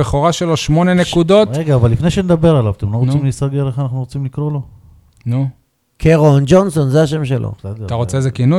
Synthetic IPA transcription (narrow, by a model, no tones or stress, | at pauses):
eχoʁaʃeloʃmo̞ne̞nekud̪o̞tʁeɡaːvalːifnejʃened̪abe̞ʁalavat̪emloʁot͡st͡simlisaɡeʁeχanaχnuʁot͡simlikʁo̞lo̞ | nu | kʰeʁond͡ʒonso̞nzeaʃe̞mʃelʔo̰zodet̪aʁott͡seezekinu